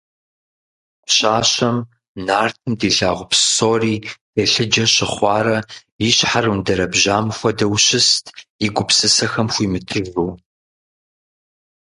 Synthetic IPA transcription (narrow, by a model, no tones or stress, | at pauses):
ɕaːɕɐm | naːrtʰɨmdiːɬaːʁʷʊpssoːriːd̥ɐɬɨd͡ʒɐɕɪχʷɑːɾɐ | iɕħarɨndɐɾɐbʑaːmxʷɐdɐwɕɪstʰɪɡʷʊpsɨsɐxɐmxʷiːmɨtʰɨvuː